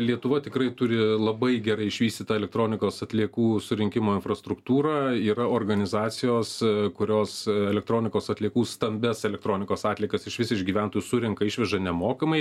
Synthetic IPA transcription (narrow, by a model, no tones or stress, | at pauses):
lʲiɛt̪ʊʋɐt̪ʲɪkrɐɪt̪ʊɾʲɪlˠɐbɐɪɡʲɛɾɐɪɪʃʲʋʲiːst̪ʲɪt̪ɐɛlʲɛk̚t̪ɾoːnʲɪkoːsɐt̪ʲlʲiɛkuːsʊɾʲɪŋʲkʲɪmoːɪnfɾɐst̪ɾʊkt̪uːɾɑːiːɾɐoːrɡɐnʲɪzɑːt̪sʲɪjoːskʊɾʲoːsɛlʲɛk̚t̪ɾoːnʲɪkoːsɐt̪ʲlʲiɛkuːst̪ɐmʲbʲɛsɛlʲɛkt̪ɾoːnʲɪkoːsɑːt̪ʲlʲiɛkɐsɪʃʋʲɪsʲɪʃɡʲiːʋʲæˑnt̪oːjusʊɾʲɪŋkɐɪʃʲʋʲɛʒɐnʲɛmoːkɐmɐɪ